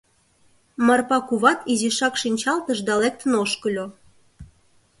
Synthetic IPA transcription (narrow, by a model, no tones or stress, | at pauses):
mɑrpɑkuβɑt̪iziʃɑkʃinʲt͡ɕɑlt̪əʃd̪ɑlek̚t̪ənoʃkə̆lʲo